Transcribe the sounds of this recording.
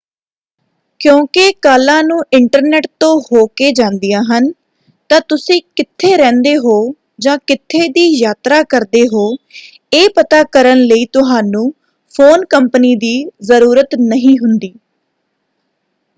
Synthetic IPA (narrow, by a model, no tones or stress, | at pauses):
kjõːkekaːlãːnũːʔɪɳʈəɾneːʈt̪õːhoːkeːd͡ʒãːnd̪ijãːɦən | t̪ãːt̪ʊsĩːkɪt̪ʰːeːɾɛ̃ːnd̪eːɦoː | d͡ʒãːkɪt̪ʰːeːd̪iːjaːt̪ɾaːkəɾd̪eːɦoː | eːpət̪aːkəɾənləiːt̪ʊɦaːnũː | pʰoːnkəmpniːd̪iːzəɾuːɾət̪nəɦĩːɦʊnd̪iː